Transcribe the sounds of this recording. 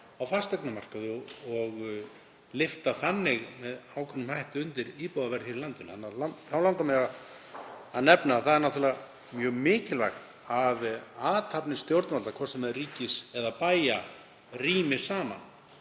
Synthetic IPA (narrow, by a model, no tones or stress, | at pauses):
awfast̪ɛknamar̥kaðʏɔɣ | lɪft̪aθanːɪɣmɛðaːwkʰvɛnːʏmhajht̪ʏʏnt̪ɪɾiːpowðavɛɾθɪɾɪlant̪ʏnθanːalaθawlawŋk̪amɛa | aðnɛpnaːθaðɛɾnat̪ʰuɾlɛɣa | mjœːɣmɪːcɪla̰xt̪ | aðaːt̪ʰapnɪst̪jowɾt̪malt̪akʰvɔrsɛmːɛðʏriːcɪsɛðapaːja | riːmɪsaːma̰n